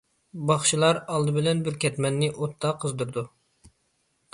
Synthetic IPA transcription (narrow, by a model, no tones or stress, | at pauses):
bɑχʃilˠɑɾɑlˠd̪ɨbɪlɛnbɪɾkʲʰɛt̪mɛnːɪʔot̪ʰːɑqʰəzd̪uɾd̪u